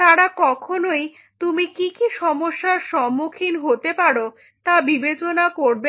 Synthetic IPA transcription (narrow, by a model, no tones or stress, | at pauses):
t̪aɽakɔkʰonoj | t̪umikikiʃɔmoʃːaɾʃɔmːukʰinɦot̪epaɽo | t̪abibet͡ɕonakoɾbe